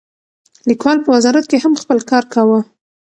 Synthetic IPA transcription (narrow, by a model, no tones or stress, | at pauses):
likwɑlpəwazɑɾat̪̚kehamxpəlkɑɾkawə